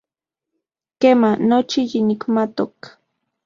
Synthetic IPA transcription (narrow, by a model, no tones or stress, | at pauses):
keːmanot͡ʃijinikmat̪ok